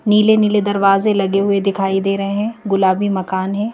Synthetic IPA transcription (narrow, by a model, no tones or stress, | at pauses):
niːleniːled̪ɐɾʋaːzelɐɡeɦʊed̪ɪkʰaːid̪eːɾɐɦeɦɛ̃ɡʊlaːbʱimɐkaːnɦɛ̃ː